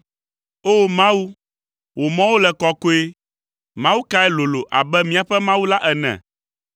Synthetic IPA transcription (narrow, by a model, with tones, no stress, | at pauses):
o˦˨mã˦wu˦ | wo˨mɔ̃˦wo˦lɛ˨kɔ˨ko˦e˦ | mã˦wu˦ka˦ɛ˦lo˨lo˨ʔa̰˨bɛ˦mĩ˦a˨ɸɛ˦mã˦wu˦la˦ʔɛ˨nɛ̰̃˨